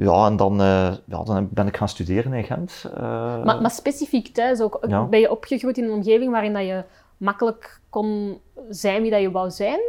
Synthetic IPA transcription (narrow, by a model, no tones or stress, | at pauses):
jɑ̰ːɛndɑnəːjɑ̰ːdɑnbɛnɪkxaːnstydeːɾəneɣɛ̰ntː | mamaspesifiktɛsoːkbɛnjəʔɔpxəɣrujtɪnənɔmɣeːvɪŋʋaːɾɪndɑjə | mɑkələkːɔn | zɛjnʋidɑjəʋɑwzɛjn